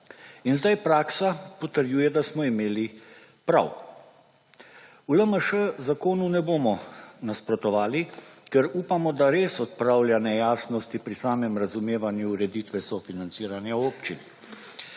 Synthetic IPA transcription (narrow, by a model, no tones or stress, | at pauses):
inzd̪ajpɾaːksapɔt̪əɾjuːjɛd̪asmɔimeːli | pɾa̰w | uləməʃəzakoːnunɛboːmɔnaspɾɔt̪ɔʋaːlikɛɾuːpamɔd̪aɾeːsɔt̪̚pɾaːwlʲjanɛjaːsnɔst̪ipɾisaːmɛmɾazumeːʋanjuːɾɛd̪it̪ʋɛsɔfinant̪siːɾanjaoːpt͡ʃin